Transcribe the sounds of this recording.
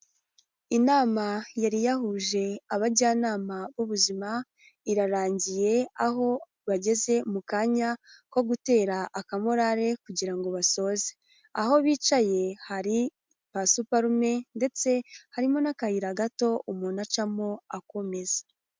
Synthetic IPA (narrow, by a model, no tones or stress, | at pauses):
inaːmajaɾijaɦuʒe̞aβaɾɟaːnaːmaβuβuzima | iɾaɾaːɲɟije̞aɦo̞ | βaɟe̞ze̞mukaːɲako̞ɡute̞ːɾaʔːkamoɾaɾe̞kuɟiɾaŋɡo̞βaso̞ze | aho̞βiːt͡ʃaje̞haɾi | pasupaɾume̞nde̞t͡se̞haɾimo̞nakahiɾaɡato̞umuːnat͡ʃamoako̞me̞zḁ